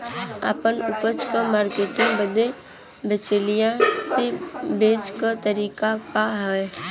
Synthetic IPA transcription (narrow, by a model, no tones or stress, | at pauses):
a̰ːpənʊpət͡ʃkamaːɾkeːʈɪ̃ŋbəd̪e | bet͡ʃelijãsebeːt͡ʃkat̪əɾiːkakaɦɛ